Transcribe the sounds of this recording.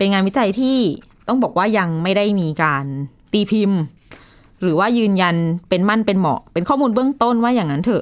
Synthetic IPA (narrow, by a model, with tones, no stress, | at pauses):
pe˧nŋaː˧nwi˦˥t͡ɕa˧jt̪ʰiː˥˩ | t̪ɔ˥˩ŋbɔː˨˩k̚waː˥˩ja˧ŋma˥˩jda˥˩jmiː˧kaː˧n | t̪iː˧pʰi˧m | ɾɯː˩˦waː˥˩jɯː˧nja˧npe˧nma˥˩˨npe˧nmɔ̰˨˩pe˧nkʰɔː˥˩muː˧nbɯ˥˩əŋt̪o˥˩nwaː˥˩jaː˨˩ŋa˦˥nt̪ʰɤ˨˩ʔ